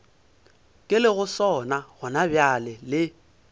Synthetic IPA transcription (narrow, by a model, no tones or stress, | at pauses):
kʼɪlɪɣʊsɔnaɣʊnabjalɪlɪ